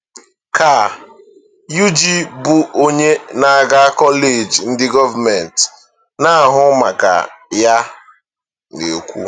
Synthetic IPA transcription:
ka˨ | ju˦d͡ʒi˦bʊ˨ʔo˦ɲe˦na˨a˨ɡa˦kɔ˦le˨d͡ʒn̩˦dɪ˦ɡɔ˦va˨mɛ˨n˨t | na˦˨ɦʊ˦ma˨ka̰˨ja˦ | ne˨kʷṵ˦

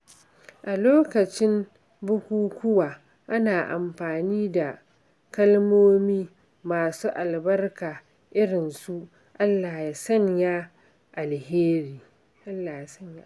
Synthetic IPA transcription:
ʔa˨loː˦kɐ˨t͡ʃɪ˦m | bʊ˦kʷuː˦kʷʊ˦waː˨ | ʔa˦naː˨ʔa̰˨mɸaː˨niː˦da˨ | kɐ˦lmoː˦miː˦ | maː˨suː˦ʔa˨lbɐ˦rkaː˨ | ʔɪ˦ɽɪ˨nsu˦ʔ | ʔa˦lːaː˨ja˨sɐ˦ɲja˦ | ʔa˨lheː˦ɾiː˨ | ʔa˦lːaː˨ja˨sɐ˦ɲja˦

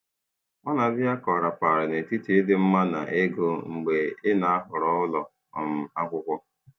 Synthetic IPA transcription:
ɔ˦na˨dɪ˦a˦kɔ˨ɾa˨pa˨ɾɪ˨ne˨ti˦te˦dɪ˦m̩˦ma˦na̰˨ʔe˦ɡo˦ŋ͡m̩˨ɡ͡be˨ɪ˦na˨a˦ɦʊ˨ɾɔ˦ʊ˦lɔ˨ | ɔ˨m̩˨a˦kʷʊ˦kʷʊ˦

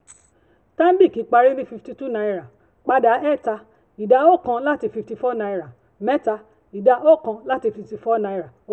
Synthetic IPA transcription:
tã˦m̩˦bi˦˨ki˨˦k͡pa˧ɾi˦li˦fi˧fti˧tu˦na˧i˧ɾa˨ | k͡pa˧da˨˦ɛ˦˨ta˧ | i˨da˧˦o˦˨kã˧la˦ti˧fi˧fti˧fɔ˦na˧i˧ɾa˨ | mɛ˦ta˧ | i˨da˧ʔo˦˨kã˧la˦ti˧fi˧fti˧fɔ˦na˧i˧ɾa˨o˦

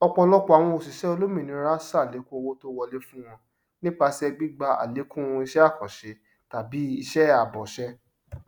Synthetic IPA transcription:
ɔ˧k͡pɔ˧lɔ˦k͡pɔ˦a˨w̃ɔ̃˧o˨si˨ʃɛ˨˦o˧lo˦mĩ˨nĩ˨˧˦ɾa˦sa˦˨le˨˦kũ˦o˧wo˦to˦wɔ˧le˦fũ˦w̃ɔ̃˧ | nĩ˦k͡pa˧sɛ˦˧ɡ͡bi˦ɡ͡ba˧a̰˨le˨˦kũ˦wɔ̃˧i˧ʃɛ˦a˦˨kɔ̃˨ʃe˨˦ | ta˨bi˨˦i˧ʃɛ˦a˨bɔ˨ʃɛ˦

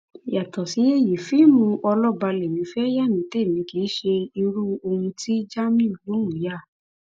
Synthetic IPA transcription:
ja˨tɔ˨si˨˦e˦ji˨fi˨˦mũ˧ʔɔ˧lɔ˦ba˧le˨mĩ˨˦fɛ˦ja˦˨mĩ˨˦te˦˨mĩ˨˧ki˨˦ʃe˧i˧ɾu˦o˧hũ˧ti˦d͡ʒa˦mĩ˦˨lo˨˦ũ˨˦ja˦˨

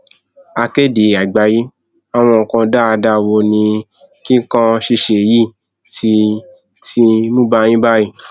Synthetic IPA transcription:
a˧ke˦˨de˨a˨ɡ͡ba˨˦ji˦ | a˨w̃ɔ̃˧ɔ˨kã˧da˦a˧da˦wo˧nĩ˧ | kĩ˦kã˧ʃi˧ʃe˨ji˦˨ | ti˧ | ti˧mũ˦ba˧˦j̃ĩ˦ba˦ji˦˨

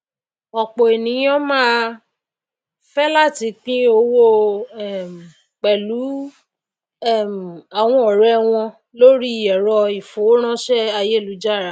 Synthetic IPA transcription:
ɔ˨k͡po˨e˨nĩ˨˦ɔ̃˦mãː˦˧ | fɛ˦la˦˨ti˨˦k͡pĩ˦o˧˦wo˦ɛ˦˨m˨ | k͡pɛ˨lu˨˦ | ɛ˦˨m˨a˨w̃ɔ̃˧ɔ˨ɾɛ˧˦w̃ɔ̃˧ | lo˦ɾi˦˨jɛ˨ɾɔ˧i˨fo˨˦ɾ̃ã˦ʃɛ˦a˧je˦˨lu˨˦d͡ʒa˦˨ɾa˨˦

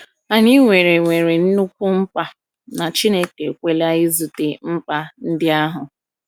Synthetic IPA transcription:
a˨ni˦ŋʷe˨ɾe˨ŋʷe˨ɾe˨n̩˦nu˦kʷu˦m̩˦pa˦ | na˨t͡ʃi˦ne˦ke˨kʷe˦la˦ɪ˦zu˨te˨m̩˦pa˦n̩˦dɪ˦a˦ɦʊ˨

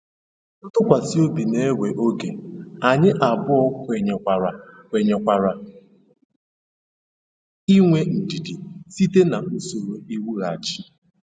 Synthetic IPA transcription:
ʊ˦tʊ˦kʷa˨si˦o˦bi˨ne˦we˨ʔo˦ɡe˨a˨ɲɪ˦ʔa˨bʊ˦ɔ˦kʷe˨ɲʷ˨a˨ɾa˨kʷe˨ɲe˨kʷa˨ɾa˨ | i˦ŋʷe˦n̩˨di˨di˨si˦te˦na˨o˦so˨ɾo˨i˦wu˦ɾa˨t͡ʃi˦

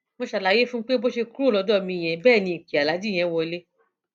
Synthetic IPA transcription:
mõ˧ʃa˨la˨˦je˦fũ˦k͡pe˦bo˦ʃe˧kɾu˦˨lɔ˨˧˦dɔ˦˨mĩ˧˨j̃ɛ̃˧˨bɛː˦˨nĩ˧˨ki˨a˨la˨˦di˦˨j̃ɛ̃˧˦wɔ˧le˦

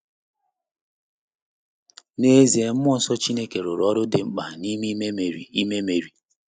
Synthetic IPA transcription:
ne˦zi˨e˨m̩˦mɔ˦sɔ˦t͡ʃi˦ne˦ke˨ɾʊ˨ɾɔ˦ɾʊ˦de˨ŋ͡m̩˦k͡pa˨ni˦mi˦me˦me˨ɾi˨i˦me˦me˨ɾi˨

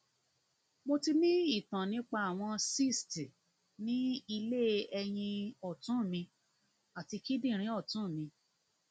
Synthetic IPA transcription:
mo˧ti˧nĩ˦i˦˨tã˨nĩ˦k͡pa˧a˨w̃ɔ̃˧si˦˨sti˨ | nĩ˦i˧le˦˨ɛ˧j̃ĩ˧ɔ˦˨tũ˨˦˨mĩ˧ | a˨ti˧ki˦dĩ˦˨ɾ̃ĩ˨˦ɔ˦˨tũ˨˦˨mĩ˧

